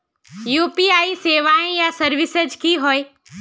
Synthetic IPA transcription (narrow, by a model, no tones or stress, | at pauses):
juːpiaːiseːʋaːẽjasɐɾʋɪsəd͡ʒkiɦoːeː